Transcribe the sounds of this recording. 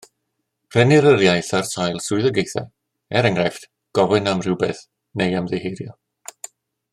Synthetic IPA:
r̥ɛnɪɾəɾjajθarsajlˠsʊɨðəɡejθɛ̰ | ɛɾəŋrɛft | ɡ̥ɔvɨnamr̥ɪwbḛθ | nejamðehejɾjɔ

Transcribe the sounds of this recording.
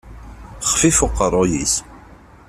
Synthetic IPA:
χfifʊqːərˤojḭs

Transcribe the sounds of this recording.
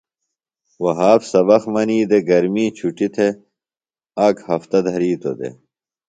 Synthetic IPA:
wɐɦaːpsɐbɐxmɐniːd̪eɡɐɾmiːt͡ɕʰuʈit̪ʰe | aːkhɐft̪ɐd̪ʱɐɾiːt̪o̰d̪ḛ

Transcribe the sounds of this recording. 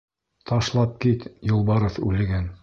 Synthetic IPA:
t̪ʰɑʃlˠɑp̚kit̪jŏlˠbɑɾɤ̆θʉ̰lɘ̆ɡæn

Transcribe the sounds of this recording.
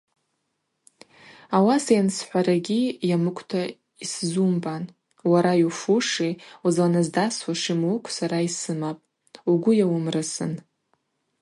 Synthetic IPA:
awasajansħʷaɾaɡʲijamɨkʷʰʼtʰa | iszumban | waɾajufuʂiuzlanazdaswaʂimukʷʰsaɾaisɨmapʼ | uɡʷʊjawʊmrɨsɨ̰n

